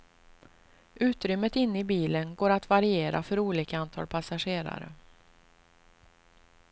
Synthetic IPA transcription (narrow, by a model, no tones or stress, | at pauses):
ʉ̟ːt̪ɾʏmːət̪ɪnːɪbiːlənɡoːɾat̪vaɾɪeːɾa̰fœɾuːliːkaant̪ʰɑ̰ːlpʰasaɧeːɾa̰ɾə̰